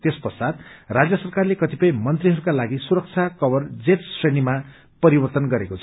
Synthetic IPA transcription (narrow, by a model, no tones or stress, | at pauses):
t̪espʌsad̪rad͡zjʌsʌrkarlekʌt̪ipʌj̃mʌnt̪riɦʌɾukalaɡisuɾʌk̚t͡sʰakʌbʌrd͡zeʈsrʌjnima | pʌɾibʌrt̪ʌnɡʌɾekot͡sʰʌ